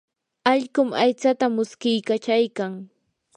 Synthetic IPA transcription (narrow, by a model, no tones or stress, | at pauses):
ɑʎkʊmajt͡sat̪amʊskɪjkat͡ʃajkaŋ